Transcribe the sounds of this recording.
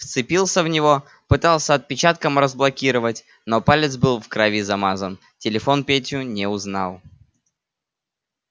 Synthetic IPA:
ft̪sɨpʲilˠsʲəvnʲɪvo̞ | pɨt̪ɑlˠsʲəɐt̪̚pʲɪt͡ɕat̪̚kəmrəzblˠɐkʲiɾəvətʲ | no̞palʲɪt̪sbɨlˠfkɾɐvʲizɐmazən | tʲɪlʲɪfo̞npʲetʲjʊnʲɪʊznɑ̰lˠ

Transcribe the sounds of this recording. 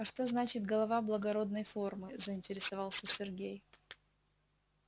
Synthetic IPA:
ɐʂt̪o̞znat͡ɕɪt̪ɡəlˠɐvablˠəɡɐɾo̞d̪nəjfo̞rmɨzəɪnʲtʲɪɾʲɪsɐvɑlˠsʲəsʲɪrɡʲej

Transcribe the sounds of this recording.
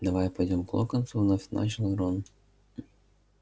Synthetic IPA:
d̪ɐvajpɐjdʲomklˠokɐnt̪suvnafʲna̰ʃnɐɾon

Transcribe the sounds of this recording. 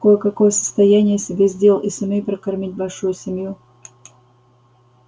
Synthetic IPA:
kojəkɐkojəsə̥st̪ɐjanʲɪjəsʲɪbʲezʲdʲe̞lˠɪsɐmʲejpɾəkɐrmʲit̚ʲbɐlʲʂujʊsʲɪmʲju

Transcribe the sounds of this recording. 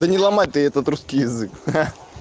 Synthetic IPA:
d̪ənʲɪlˠɐmatʲt̪ɨɛt̪ət̪ɾuskʲijɪzɨk

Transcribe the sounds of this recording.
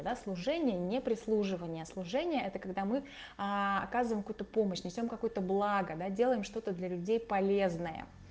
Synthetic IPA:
əd̪aslˠʊʐɛnʲɪjənʲɪpɾʲɪslˠuʐɨvənʲɪjəslˠʊʐɛnʲɪjəʔɛt̪əkɐɡd̪amɨ | aɐ̰kazɨvəjmkujut̪əpo̞məɕnʲɪsʲo̞mkɐkojt̪əblˠaɡəd̪adʲe̞lˠəjɪmʂt̪o̞t̪əd̪lʲɐlʲʉdʲejpɐlʲe̞znəjə̰

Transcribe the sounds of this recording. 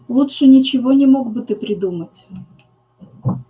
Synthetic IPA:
lˠutʂɨnʲɪt͡ɕɪvonʲɪmoɡbɨt̪ɨpɾʲɪd̪umətʲ

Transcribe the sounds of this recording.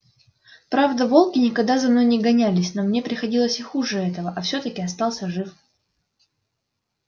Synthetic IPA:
pɾavd̪əvo̞lˠkʲɪnʲɪkɐɡd̪azɐmno̞jnʲɪɡɐnʲælʲɪsʲno̞mnʲepɾʲɪxɐdʲilˠəsʲɪxuʐɨɛt̪əvəʔɐfsʲɵt̪əkʲɪɐst̪ɑlˠsʲəʐɨf

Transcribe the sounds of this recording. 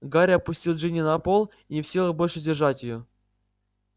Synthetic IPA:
ɡaɾʲɐpʊsʲtʲilˠʐɨnʲɪnɐpolˠ | inʲɪfsʲilˠəbolʲʂɨdʲɪrʐatʲɪjo

